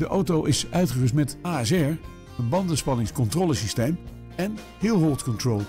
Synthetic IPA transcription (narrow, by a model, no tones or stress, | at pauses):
dəʔowtowʔɪsœɥtχərəstmɛtaːɛsɛɹ | ənbɑndənspɑnɪŋskɔntroːləsistejm | ɛn | hɪlˠɦolˠtkɔntroːlˠ